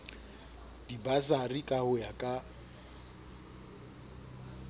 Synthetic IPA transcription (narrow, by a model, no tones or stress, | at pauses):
dibasarikʼahʊjakʼa